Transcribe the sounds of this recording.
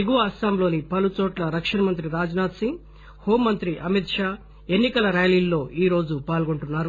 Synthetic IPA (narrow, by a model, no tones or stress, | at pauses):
eɡuʋɐɐsaːmlo̞ːnipɐlut͡ʃɔːʈlɐɾɐkʂɐnɐmɐnt̪ɾiɾaːd͡ʒɐnaːt̪sĩŋ | hoːmːɐnt̪ɾiʔɐmit̪ʂaː | e̞nːikɐlɐɾaːjliːlːo̞ːʔiːɾo̞ːd͡ʒupaːlɡo̞ɳʈunːaːɾu